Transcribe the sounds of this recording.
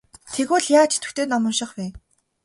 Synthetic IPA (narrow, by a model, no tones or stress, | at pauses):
t̪ʰeɣuːɮjaːt͡ɕʰe̥t̪ʰɵ̥̆kt̪eːnɔmɞ̆nʃɪ̆χpæː